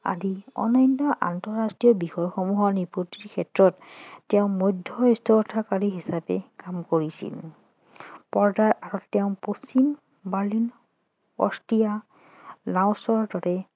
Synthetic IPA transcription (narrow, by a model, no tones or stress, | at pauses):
a̰diɔ̰najntɔʔa̰ntɔɹastɹijɔbixɔjxɔmuɦɔniputiɹkʰɛtɹɔtːɛʊ̃mojdʱːɔɔstʰɔɔtʰakaɹiɦisapɛ̰kamkoɹisḭl | pɔɹdaɹaɹɔtɛʊ̃posim | baɹlin | ɔ̰stija | laʊ̃sɔɹdɔtɛ